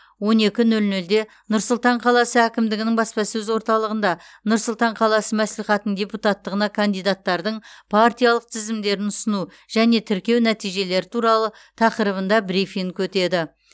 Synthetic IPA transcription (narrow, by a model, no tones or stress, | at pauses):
wo̞ne̞kʲɪnɵlnɵld̪e̞ | nʊɾsʊlˠt̪ɑɴqʰɑlˠɑsəækʲɪmd̪ɪɡʲɪnɪŋbɑspɑsɵzwo̞ɾt̪ɑlˠəʁənd̪ɑnʊɾsʊlˠt̪ɑɴqʰɑlˠɑsəmæslijχɑt̪ənəɴd̪ʲe̞put̪ɑt̪ːəʁənɑkʰand̪ijd̪at̪ːɑɾd̪əɴpʰaɾt̪ijɑlˠəq̚t̪ʰɪzɪmd̪e̞ɾɪnʊsənu | ʒ̥æne̞t̪ʰɪɾkʲe̞wnæt̪ijʒe̞le̞ɾɪt̪ʰuɾɑlˠə | t̪ʰɑqəɾəβənd̪ɑbɾifiŋkʲʰɵt̪e̞d̪ɪ